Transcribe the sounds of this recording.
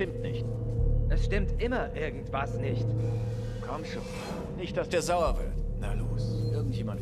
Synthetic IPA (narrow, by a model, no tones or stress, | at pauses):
tɪmtnɪçtʔɛsʃtɪmtʔɪmɐʔɪɐɡŋ̩tv̥asnɪçt | kʰɔmʃo̰ː | nɪçt̚d̥asd̥eːɐzaʊɐvɪ̰ɐtnaloːsʔɪɐɡŋ̩tjeːmant